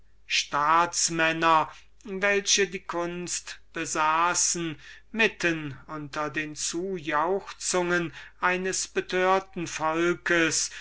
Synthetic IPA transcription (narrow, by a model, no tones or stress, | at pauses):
ʃtaːtsmɛnɐ | vɛlɕədiːkʰʊnst̪b̥əzaːsn̩ | mɪtʰənʊntɐdeːnt͡suːjaʊxt͡sʊŋənʔaɪnəsb̥ətʰøːɐtn̩fɔlkəs